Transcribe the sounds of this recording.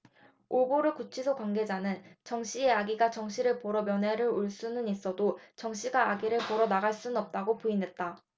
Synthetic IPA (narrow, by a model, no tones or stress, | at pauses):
oboɾɯkut͡ɕʰisʰokwaŋɡe̞d͡ʑanɯnt͡ɕʌŋɕ͈ieaɡiɡat͡ɕʌŋɕʰiɾɯɭpoɾʌmjʌnɦe̞ɾɯɾoɭs͈unɯnis͈ʌdot͡ɕʌŋɕ͈iɡaːɡiɾɯɭpoɾʌnaɡaɭs͈unɯnʌp̚t͈aɡopuinɦe̞t̚t͈a